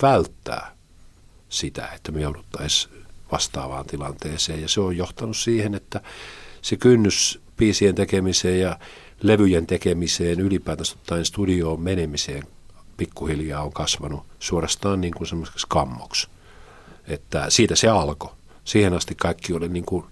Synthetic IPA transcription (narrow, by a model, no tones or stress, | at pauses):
ʋælt̪ːæ̰ː | sit̪æ̰et̪ːæmejoudut̪ːɑisʋɑst̪ɑ̰ːʋɑ̰ːnt̪ilɑnt̪eːseːjɑseojjoht̪ɑnussiːhenet̪ːæsekynːyspiːsient̪ekemiseːjjɑ | leʋyjent̪ekemiseːnylipæːt̪æst̪ot̪ːɑjinst̪udioːmmenemiseːŋ | pikːuhiljɑːoŋkɑsʋɑnusuorɑst̪ɑːnniːŋkunsemːosekskɑmːoks | et̪ːæsiːt̪æseɑlko | siːhenɑst̪ikkɑikːioliniːŋku